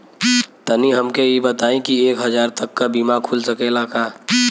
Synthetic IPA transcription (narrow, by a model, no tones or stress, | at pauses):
t̪əniɦəmkejibət̪aːẽkieːkɦəd͡ʒaːɾt̪əkːabimakʰulsəkelakaː